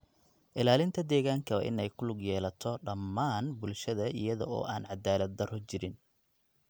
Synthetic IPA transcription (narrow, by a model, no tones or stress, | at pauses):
ʔɪlaːlɪnt̪ʰɐd̪ɛːɣaːŋkʰɐw̰ːʔɪ̰nɛjkʰʊlʊɡjɛːlɐt̪ʰɔɖɐmːaːnbʊlʃɐðɐʔɪ̰jɐðɔ̰ɔ̰ːʔaːnʕɑd̪aːlɐd̪̚ɐrɔt͡ʃɪɾɪn